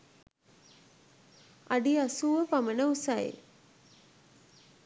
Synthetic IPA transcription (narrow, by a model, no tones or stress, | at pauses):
aɖiasuːʋəpamənəusaḛ